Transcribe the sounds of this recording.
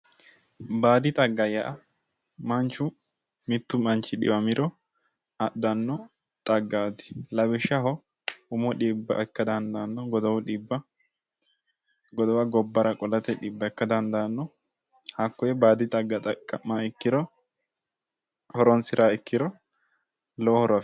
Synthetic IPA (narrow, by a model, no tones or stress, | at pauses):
baːd̪ɪt̪ʼɐɡːɐjɐʔɐ | mɐnt͡ʃːʊ | mɪt̪ːʊmɐnt͡ʃːɪᶑɪ̰bɐmɪɾɔ | ɐɗːɐnːɔ | t̪ʼɐɡːaːt̪ɪ̥lɐbɪʃɐɦɔ | ʊmɔᶑibːɐ̰ʔɛkːɐd̪ɐnd̪anːɔɡɔd̪ɐwʊᶑɪbːɐ | ɡɔd̪ɔwɐɡɔbːɐɾɐkʼɔlɐt̪ɛᶑiːbːɐɛkːɐd̪ɐnd̪anːɔ | hakːɔjɛbaːd̪ɪt̪ʼɐɡːɐt̪ʼɐkʼːɐmːaɛkːɪɾɔ | hɔɾɔnsɪɾaːɛkːɪɾɔ | lɔhɔɾɐ